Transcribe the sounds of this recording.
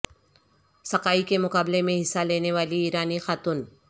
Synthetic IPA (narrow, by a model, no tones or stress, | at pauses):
sɐkaːikemʊkaːblemẽɦɪsːaleːneʋaːliiːɾaːnixaːt̪ʊn